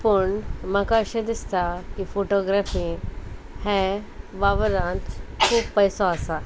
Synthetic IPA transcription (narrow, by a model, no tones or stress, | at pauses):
pəɳmakaːɕed̪ist̪akifoʈoɡɾafi | heʋaʋəɾãnt̪kʰuːbpəjsɔəsa